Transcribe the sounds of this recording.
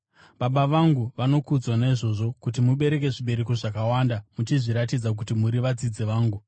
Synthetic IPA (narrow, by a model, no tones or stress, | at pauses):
ɓaɓaʋaŋɡuʋano̞kud͡zwanaiʐo̞ːʐo̞kut̬imuɓe̞ɾe̞ke̞ʐiɓe̞ɾekoʐakawaːndamut͡ʃiʐiɾatid͡zak̬utimuɾiʋad͡zid͡zeʋaːŋɡu